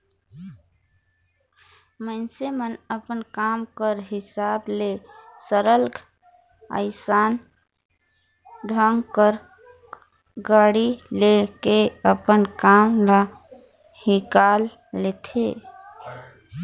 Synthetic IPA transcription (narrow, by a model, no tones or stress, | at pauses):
mənsemənəpənkamkəɾɦɪsaːblesəɾəlɡʱ | ə̰ɪsaːn | ɖʱəŋɡkəɾ | ɡaɽilekeəpənkamla | hikalː | et̪ʰḛ